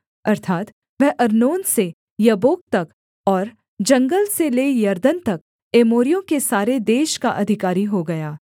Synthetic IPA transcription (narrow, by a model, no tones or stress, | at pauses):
ɐɾt̪ʰaːt̪ | ʋɛɦʔɐɾnoːnse | jɐboːk̚t̪ɐk | ɔːɾ | d͡ʒɐ̃ŋɡəlseleːjɐɾd̪ənt̪ɐk̚ | eːmoːɾijõkesaːɾed̪eːʃkaʔɐd̪ʱɪkaːɾiɦoɡɐjaː